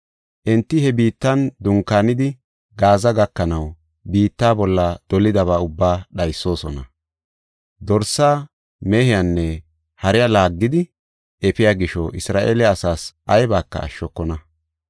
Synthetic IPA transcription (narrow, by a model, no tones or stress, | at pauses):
ʔɛnt̪ːɪhɛbiːt̪ːɐnd̪ʊŋkaːnɪd̪ɪ | ɡaːzɐɡɐkːɐnɐw | biːt̪ːaːbɔlːɐd̪̥ɔlɪd̪ɐβaːʊbːaːɗɐjsːo̞ːsɔnɐ̰ | d̪ɔɾsːaː | meːhɪjanːɛ | hɐɾɪjalaːɡːɪd̪ɪ | ʔɛpɪjaːɡɪʃɔʔɪsɾaːʔeːlɛɐsaːsʔɐjbaːkːɐ̰ːʃːɔkːɔnɐ